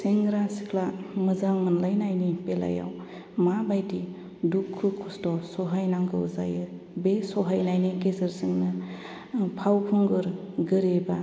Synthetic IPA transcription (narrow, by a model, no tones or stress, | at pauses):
seŋɡɾasi̥kʰlamɯzaŋmɯnlajnajnipela̰ja̰w | mabajdi | dukʰːukʰːustɔsɔɦajnaŋɡɯuza̰jɯ | besɔɦajnajnikesɯɾsɯŋnɯ | pʰawpʰuŋɡɯɾ | ɡɯɾeba